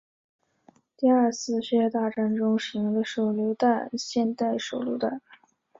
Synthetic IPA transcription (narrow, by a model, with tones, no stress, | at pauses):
t̪i˥˧a˞˥˧t͡sʰɹ̩˥˧ɕɥɛ˥˩t̪a˥˧˩ʈ͡ʂa˥˩nʈ͡ʂʊ˥ŋɕi˧˥ŋd̪ə˧ʂo˨˩ʊljo˧˥ʊt̪a˥˧nɕjɛ˥˧nt̪a˥˩ɪʂo˨˩ʊluo˧˥ʊt̪a˥˩n